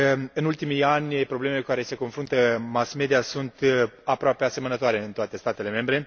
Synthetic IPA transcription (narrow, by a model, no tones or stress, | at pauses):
ɨnult̪imijanʲpɾo̞ble̞me̞lekukaɾe̞se̞ko̞nfɾunt̪əmasme̞d̪ijasunt̪apɾoape̞ase̞mənət̪oaɾe̞ɨnt̪oat̪e̞st̪at̪e̞le̞me̞mbɾe̞